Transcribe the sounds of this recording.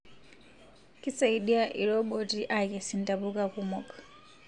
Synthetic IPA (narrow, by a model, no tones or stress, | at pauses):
kisaiɗiaʔiɾɔɓɔtiʔakɛsintapukakumɔkḁ